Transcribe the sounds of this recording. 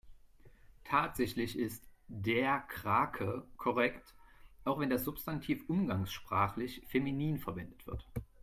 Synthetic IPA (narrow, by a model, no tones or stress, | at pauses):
tʰaːtz̥ɛçlɪçɪstd̥eːɐkʁ̥aːkʰəkʰɔʁ̞ɛktʔaʊxv̥ɛndasz̥ʊpstantʰiːfʔʊmɡaŋsʃpʁ̥aːχlɪçfeminiːnfɛɐvɛndətv̥ɪ̰ɐt